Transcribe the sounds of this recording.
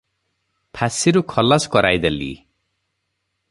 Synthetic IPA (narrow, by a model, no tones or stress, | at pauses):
pʰasiɾukʰɔlɔskɔɾajd̪elḭ